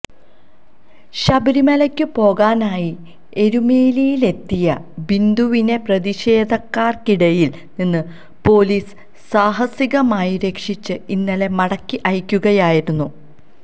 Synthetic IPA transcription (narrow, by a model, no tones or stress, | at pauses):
ɕɐbɐɾimɐlɐkʲːɨpo̞ːɣaːnaːji | e̞ɾumeːlijile̞t̪ːijɐbind̪uʋine̞prɐðiɕe̞ːd̪ʱɐkːaːrkiɽɐjil | ninːɨ | po̞ːliːs | saːɦɐsiɣɐmaːjiɾe̞kʂit͡ɕːɨinːɐle̞mɐɽɐkːiʔɐjkʲːuɣɐjaːjiɾunːu